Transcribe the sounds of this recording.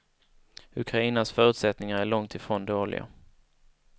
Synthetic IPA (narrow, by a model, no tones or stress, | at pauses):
ɵkʰɾaiːnasfœːɾɵ̟t̪sɛt̪nɪŋaɾæɭɔŋt̪ʰɪfɾoːnd̪oːɭɪ̰ɡa̰